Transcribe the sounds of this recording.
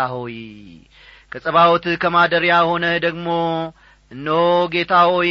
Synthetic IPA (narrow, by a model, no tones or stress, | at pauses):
aɦoj | kʰəsʼəβawt̪kʰəmad̪əɾjajho̞nəd̪əɡmo̞ | ɨnːəoɡe̞t̪ʰahoj